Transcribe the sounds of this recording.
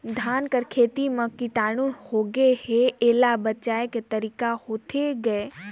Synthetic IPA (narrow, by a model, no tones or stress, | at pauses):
d̪ʱaːnkəɾkʰeːt̪imẽkiʈaːɽ̃unhoɡeheeːlabɐt͡ʃaːeket̪ɐɾiːkahoːt̪ʰeɡɐe